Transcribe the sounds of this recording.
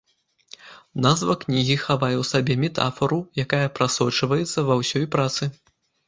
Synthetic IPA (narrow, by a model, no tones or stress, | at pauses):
nazvɐknʲiɣʲixavajɛwsabʲɛmʲɛt̪a̰fɐɾujakajɐpɾʔasɔt͡ʂɐvɐjɛt̪sːɐvɐwsʲɔjpɾat̪sɨ